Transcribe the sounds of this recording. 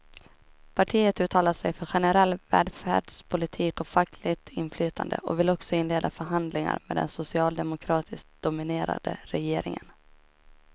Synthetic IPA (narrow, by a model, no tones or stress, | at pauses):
pʰaʈʰiːət̪ʉ̟ːt̪ʰɑːlaʂɛjfœɾɧɛnəɾɛlːvɛ̰ːd̪fæ̰ːɖʂpʰʊlɪt̪ʰiːkɔfakʰlɪɡt̪ʰɪnflyːt̪ʰand̪ə̰ʔɔ̰vɪlɔksɔɪnleːd̪afœɾɦand̪lɪŋa̰ɾmeːd̪ɛ̰nsʊsɪɑːld̪ɛmʊkʰɾɑːt̪ʰɪsk̚d̪̥ʊmɪneːɾa̰d̪̥ə̰ɾɛjeːɾɪ̰ŋə̰n